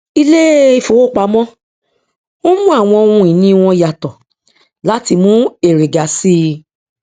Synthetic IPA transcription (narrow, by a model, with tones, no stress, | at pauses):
i˧le˦i˦˧˨fo˨wo˦˨k͡pa˨˦mɔ̃˦ | o˦mũ˦a˦˨w̃ɔ̃˧o˧ũ˧i˨nĩ˧w̃ɔ̃˧ja˨tɔ˨ | la˨˦ti˧mũ˦e˨ɾe˨ɡa˨˦si˦˧